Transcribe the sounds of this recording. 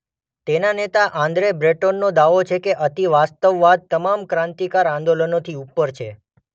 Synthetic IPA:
t̪enanet̪aʔãnd̪ɾebɾeʈonːod̪aʋot͡ʃʰekeʔət̪iʋast̪əʋːad̪̚t̪əmamkɾãnt̪ikaɾãnd̪olənot̪ʰiupːəɾt͡ʃʰḛ

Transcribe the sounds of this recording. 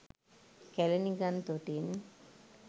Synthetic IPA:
kɛleniɡant̪oʈin

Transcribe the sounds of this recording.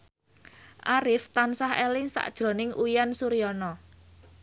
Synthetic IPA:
ʔaɾɪft̪ansaɦɛlɪŋsa̰ʔd̥ʒ̥ɾo̤nɪŋʔujansuɾiɔnɔ

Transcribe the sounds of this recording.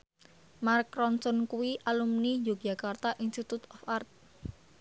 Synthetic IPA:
markɾɔnsɔnkuwiʔalumnid͡ʒoɡ̥d͡ʒa̤kart̪aʔinst̪it̪ut̪ɔfart̪̚

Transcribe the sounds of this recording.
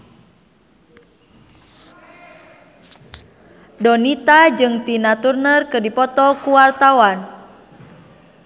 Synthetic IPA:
dɔnit̪ad͡ʒɨŋt̪inat̪urnərkɨrdipɔt̪ɔkuwart̪awan

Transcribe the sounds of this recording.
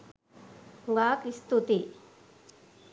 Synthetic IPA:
ɡaːkist̪ut̪i

